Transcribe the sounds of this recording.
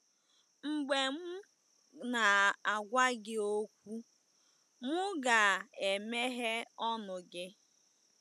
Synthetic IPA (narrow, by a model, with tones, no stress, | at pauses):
ŋ͡m̩˨ɡ͡be˨m̩˦ | na˨a˨ɡʷa˦ɡɪ˦o˦kʷu˦ | mʊ˦ɡa˨e˨me˦ɦe˦ɔ˦nʊ˨ɡɪ˦